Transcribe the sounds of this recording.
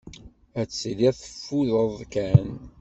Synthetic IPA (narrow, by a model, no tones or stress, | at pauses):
æt͡sːliθə̥fːuðəðˤkæn